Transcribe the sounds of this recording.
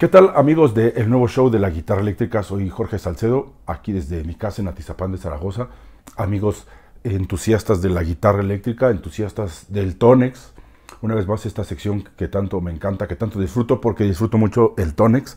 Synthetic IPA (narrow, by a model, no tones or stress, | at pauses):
ke̞t̪alamiɣo̞zðe̞ʔelnwe̞βo̞ʃo̞wðe̞laɣit̪araelekt̪ɾikaso̞jxo̞ɾxe̞salse̞ðo̞akiðe̞zðemikasenat̪isapand̪e̞saɾa̰ɣ̞o̞saamiɣo̞s | ent̪usjast̪azðe̞laɣit̪araelek̚t̪ɾikaent̪usjast̪azd̪e̞lt̪o̞neks | unaβe̞zmase̞st̪aseksjo̞ŋke̞t̪ant̪o̞meːŋkant̪aket̪ant̪o̞ðisfɾut̪o̞po̞ɾke̞ðisfɾut̪o̞mut͡ʃo̞elt̪oneks